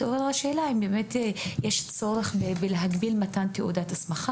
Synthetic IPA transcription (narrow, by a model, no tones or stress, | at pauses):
toveʁaʃeːlaimbemetjeʃt͡so̞ɾeχbebeleɦaɡbilmatant̪eudatasmaχa